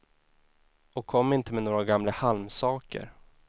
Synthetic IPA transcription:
ɔkʰːɔmːɪnt̪əmɛnoːɾaɡamlahalmsɑːkə̰ɾ

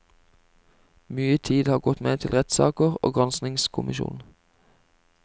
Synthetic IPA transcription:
myːət̪ʰiːd̪hɑːʁɡɔt̪meːt̪ʰɪlʁɛt̪sɑ̰ːkəʁo̰ːɡʁɑnsnɪŋskʰʊmɪʃṵːn

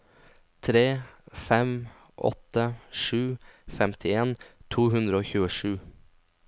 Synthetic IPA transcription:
t̪ʰɾeːfɛm | ʔɔ̰t̪ːəʂʉːfɛmt̪ʰɪeːnt̪ʰuːɦʉnd̪ɾəoːçʉːəʂʉː

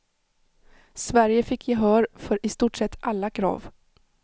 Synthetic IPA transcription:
svæɾjəfɪkʰːjɪɦœːɾfœɾʔɪst̪uːʈsɛt̪ːʔalːakʰɾɑ̰ːv

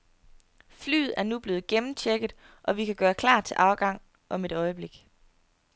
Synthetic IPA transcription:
fly̰ːð̩ˠæɐnub̥le̝ːð̩ˠɡ̥emm̩t͡ɕʰeɡ̥ð̩ˠ | ʔɒ̽ʋikʰæɡ̥ɶːɐkʰlɑ̰̥̈ːt͡sʰe̝ʔɑ̈ʊɡ̥ɑ̈ŋ̰ | ʔɒ̽me̝ɾ̥ɒ̽ɪəb̥le̝ɡ̥

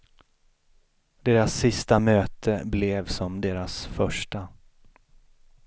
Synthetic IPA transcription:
d̪eːɾasːɪst̪amøːt̪ʰəblɛvsɔmd̪eːɾasfœʂʈa

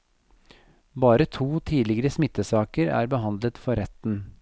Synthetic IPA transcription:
bɑːɾət̪ʰuːt̪ʰiːlɪɡəɾəsmɪt̪ːəsɑːkəɾæ̰ːɾbəɦɑnd̪lət̪fɔɾɛt̪n̩

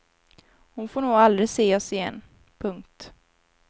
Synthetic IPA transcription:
hʊnfoːɳuːɡald̪ɾɪseːɔsɪjɛ̰nː | pʰɵŋk̚t̪

